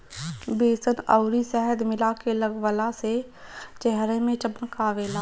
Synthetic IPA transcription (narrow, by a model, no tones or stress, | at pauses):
beːsənəʊɾisɛɦəd̪mɪlakeləɡwəlase | t͡ʃɛɦɾemẽt͡ʃəbə̃nkaʋeːlaː